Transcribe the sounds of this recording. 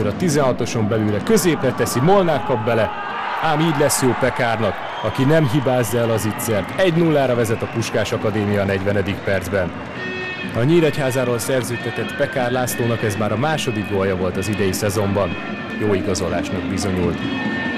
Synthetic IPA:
ɾɒt̪izɛnɦɒt̪o̞ʃo̞mbɛlyːɾɛkø̞zeːplɛt̪ɛsimo̞lnaːrkɒbːbɛlɛ | aːmiːɟlɛsjoːpɛkaːrnɒk | ɒkinɛmɦibaːzːɛlɒzit̪seːrt̪ɛɟnulːaːɾɒvɛzɛt̪ɒpuʃkaːʃɒkɒd̪eːmijɒnɛɟʋɛnɛd̪ikpɛrd̪zbɛn | ɒɲiːlɛchaːzaːɾoːlsɛrzøːt̪ɛt̪ɛt̪pɛkaːrlaːsloːnɒkɛzmaːɾɒmaːʃo̞d̪ikɡoljɒvo̞lt̪ɒzid̪ɛjisɛzo̞mbɒn | joːiɡɒzo̞la̰ːʃmɛɡ̚bizo̞ɲult̪

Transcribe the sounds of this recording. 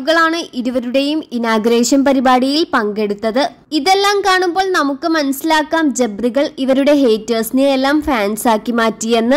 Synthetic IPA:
ɣɐɭaːɳɨʔiɾuʋɐɾuɽe̞juminaːɡɾeːʂɐnpɐɾibaːɽijilpɐŋɡe̞ɽut̪ːɐðɨ | iðe̞lːaːmkaːɳumbo̞ːɭnɐmukːɨmɐnɐsilaːkːaːmd͡ʑebriɣɐɭiʋɐɾuɽe̞ɦe̞ːtːɐːsinilelːaːmfaːnsaːkːimaːtːijenːɨ

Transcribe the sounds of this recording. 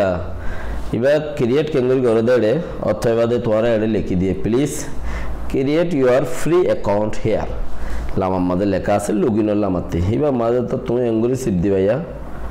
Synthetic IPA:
a | ḭbakiɾieʈkeŋɡuɾiɡɔɾed̪eɽe | ɔ̰t̪ʰːɔeβad̪et̪ũãɾaeɽelekid̪ijepliskiɾieʈjuaɾfʰɾiekawɳʈhea̰ɾlamamːad̪elɛkaːseluɡinɔɾlamat̪ːiibamad̪et̪ɔt̪ũeŋɡuɾisib̚d̪ibaja

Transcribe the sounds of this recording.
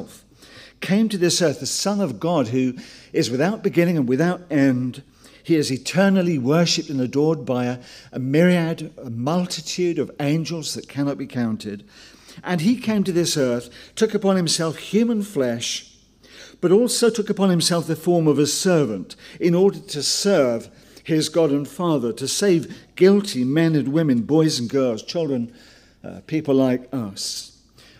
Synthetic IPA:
f | kʰẽɪ̃mtɨðɪsɜ˞θðɨsʌ̃nʌvɡɑd̚ɦʉɨzwɨθaʊt̚b̥ɨɡɪ̃ñɪ̃ŋɨ̃nwɨθaʊɾɛ̃nd̥ | iɪzɨtʰɜ̃˞nl̩ˠiwɜ˞ʃɨp̚tɨ̃n̩ðɨdɔɹd̚baɪɨʔəmɪɹiɨɾəmʌlˠtʰɨtʰʉɾʌvẽɪ̃nd͡ʒəl̩ˠzðɨt̚kʰænɑt̚b̥ikʰãʊ̃ntʰɪd | ʔɨ̃nikʰẽɪ̃mtɨðɪsɜ˞θtʰʊkɨpɑ̃nhɨ̃m̩sɛlˠfhj̥ʉmə̃nflɛʃ | b̥ʌɾɔlˠsoʊtʰʊkɨpɑ̃nhɨ̃msɛlˠfðɨfɔɹmʌvɨsɜ˞vɨ̃ntɨ̃nɔɹɾə˞ɾɨsɜ˞v̥ | ɪzɡɑɾɨ̃nfɑðə˞ɾɨseɪvɡɪlˠtʰimɛ̃nɨ̃nwɪ̃mɨ̃nbɔɪz̃n̩ɡɜ˞lˠz̥t͡ʃʰɪlˠdɹɨ̃n̰ | pʰipl̩ˠlaɪkʌs

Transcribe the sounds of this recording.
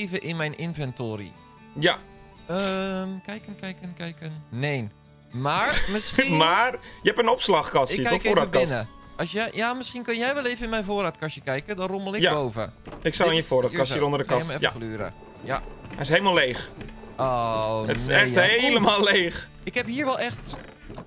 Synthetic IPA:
evəʔɪnmɛjnɪnvɛntoːɾḭ | ja | əmkɛjkənkɛjkənkɛjkənneːn | marmɪsximarjəɛpənɔpslaxkɑsəofoːɾatkɪsnəɔsjɛjamɪsχinkønjɛjʋɛlˠejvəɪnmɛjfoːɾatkaʃjəkɛjkədɔnroməlˠɪkjabowvə̰ɪksaɪnjəfoːɾatkasəɾondərdəkaɛja̰klyːɾə̰ | ja̰ɛjɪs̬heləmalejxoətnsɛxttɦeləmalˠlejx | ɪkhɛphiːɹʋɛlˠɛxt

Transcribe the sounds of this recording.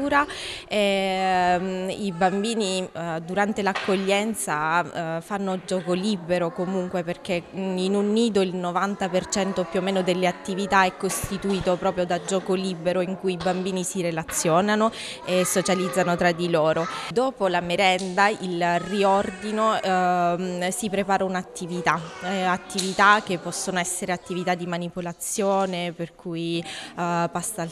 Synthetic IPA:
uːɾa | ɛ | ibambiːnid̪uɾant̪elakːoʎːɛnt̪safanːod͡ʒɔːkolibeɾokomuŋkweperk̟einunːiːd̪oilnovant̪apert͡ʃɛnt̪opjuomːeːnod̪elːeat̪ːivit̪aɛkːost̪it̪uiːt̪opɾɔːpɾjod̪ad͡ʒɔːkolibeɾoiŋkujibambiːnisiɾelat̪sːjɔːnano | esːot͡ʃalid̪zːanot̪ɾad̪ːiloːɾod̪oːpolameɾɛnd̪ailriɔrd̪ino | sipɾepaːɾaunat̪ːivit̪aat̪ːivit̪ak̟ːepːɔsːonoɛsːeɾeat̪ːivit̪ad̪ːimanipolat̪sːjoːneperkʰuj | past̪al

